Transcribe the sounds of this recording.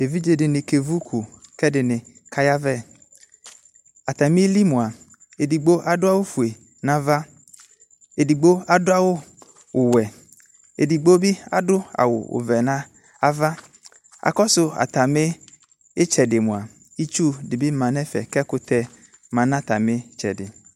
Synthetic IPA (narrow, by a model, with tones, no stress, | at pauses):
e˨vi˦d͡ʒe˨dɪ˨nɪ̃˨ke˨vu˦kʰu˨kɛ˦dɪ˨nɪ̃˨ | kʰa˦ja˦vɛ˦˨ | a˨t̪a˨mi˦li˦mʊ̃˨a˨ | e˨di˨ɡ͡bo˦ʔa˨dʊ˦a˦wʊ˦fu˨e˨ | nã˦va˦ | e˨di˨ɡ͡bo˦a˦dʊ˦a˦wʊ˦ | ʊ˨wɛ˨ | ḛ˨di˨ɡ͡bo˦bi˦a̰˦dʊ˦a̰˨wʊ̰˨ʊ̰˨vɛ˨nã˦ | a˦va˦ | a̰˨kɔ˦sʊ˦a̰˨t̪a˨mɪ˦ | ɪ˦t͡ʃɛ˨dɪ˨mʊ̃˨a˨ | i˦t͡ʃu˦dɪ˨bɪ˦mã˨nɛ̃˦fɛ̰˨kɛ˦kʊ˦t̪ɛ˦ | mã˨nã˦t̪a˨mɪ˦t͡ʃɛ̰˨dɪ̰˨